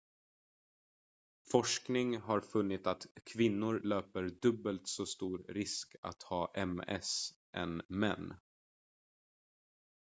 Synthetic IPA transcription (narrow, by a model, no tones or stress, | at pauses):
fɔʂknɪŋɦaɾfɵnːɪt̪at̪kʰvɪnːʊɾløːpəɾd̪ɵbəlt̪sɔst̪uːɾɾɪska̰t̪hɑːʔɛmɛ̰s | ʔɛ̰nmɛ̰nː